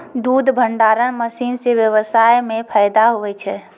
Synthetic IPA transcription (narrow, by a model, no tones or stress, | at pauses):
d̪ud̪bʱəɳɖaɾənməsiːnsebjəʋəsajmẽpʰəjd̪aɦuʋɛt͡ʃʰɛ